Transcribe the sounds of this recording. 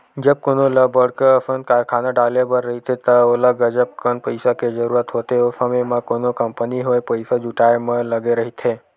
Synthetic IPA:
d͡ʒəb̚koːnoləbəɽkəəsənkaːɾkʰaːnaɖaːlebəɾːəɦit̪ʰet̪əoləɡəd͡ʒəb̚kənpəɪsaked͡ʒəɾuːɾət̪ɦoːt̪eosəmemãkoːnokəmpəniɦoepəɪsad͡ʒuʈaemẽləɡeɾəɦit̪ʰe

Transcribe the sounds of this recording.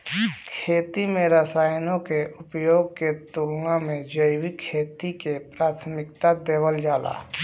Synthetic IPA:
kʰeːt̪imẽɾəsaːjnõkeʔʊpjoːɡ̚ket̪ulnãmẽd͡ʒəɪwikʰeːt̪ikepɾaːt̪ʰmɪkt̪ad̪eːwəld͡ʒaːla̰ː

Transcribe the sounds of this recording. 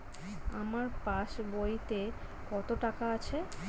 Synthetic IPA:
amaɾpaʃbojt̪e | kɔt̪oʈakaat͡ɕʰe

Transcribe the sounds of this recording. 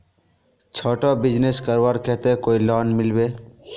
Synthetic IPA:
t͡ʃʰoːʈobɪd͡ʒneskəɾwaɾket̪ẽkoːilɔːnmɪlbeː

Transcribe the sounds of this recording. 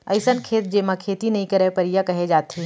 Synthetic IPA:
ɐ̰ɪsənkʰeːt̪̚d͡ʒeːmãkʰeːt̪inɐɦĩkɐɾepɐɾijakɐɦed͡ʒaːt̪e

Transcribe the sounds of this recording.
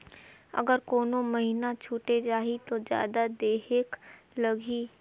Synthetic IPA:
ə̰ɡəɾkoːnõmɐɦinat͡ʃʰuːʈed͡ʒaːɦit̪od͡ʒja̰ːd̪ad̪eːɦek | lɐɡʱiː

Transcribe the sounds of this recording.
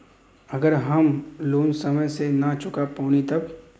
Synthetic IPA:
ɐɡəɾɦɐmloːnsɐməjsenɐt͡ʃʊkapoːnit̪ɐb

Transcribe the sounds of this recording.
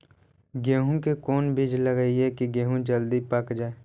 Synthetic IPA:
ɡeːɦũkekɔːnbɪd͡ʒləɡəiɦɛkiɡeːɦũd͡ʒəld̪ipɐkd͡ʒaːe

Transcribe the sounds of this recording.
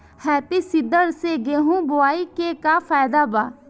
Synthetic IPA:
hɛːpisid̪əɾseɡeːɦũːbʊaːiːkekaːpʰaːjd̪aːbaː

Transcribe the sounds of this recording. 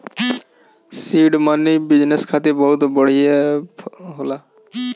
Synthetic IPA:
siɖmanibid͡ʒneskʰat̪ebɔɦut̪bɔɽ̤ije | ɦola

